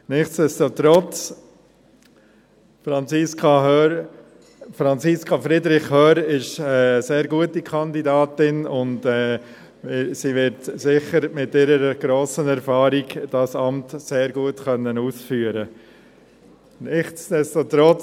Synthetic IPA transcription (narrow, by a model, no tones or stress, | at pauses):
nɪχsd̥ɛstot̪ɾɔt͡s | fɾɑnt͡sɪskʰɑɦœ | fɾɑnt͡siskʰɑfɾɪdɾɪχhœːɾɪʃɛːseːɾɡuətikʰɑndidɑːtɪnʊndɛː | ɪsiʋɪɾtsɪχəɾmɪtɪɾəɾəɡ̥ɾoːsənɛɾfɑːɾiɡd̥ɑsɑmtseːɾɡuətkœnːənuːsfyːəɾə | nɪχtsd̥ɛstot̪ɾɔt͡s